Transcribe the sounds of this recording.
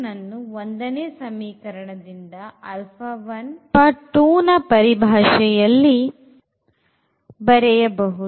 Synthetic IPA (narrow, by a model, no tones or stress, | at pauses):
nɐnːuond̪ɐneːsɐmiːkɐɾɐɳɐd̪ind̪ɐɐlpʰɐʋɐnpɐʈːuːnɐpɐɾibʱaːʂɛjɐlːi | bɐɾɛjɐbɐɦu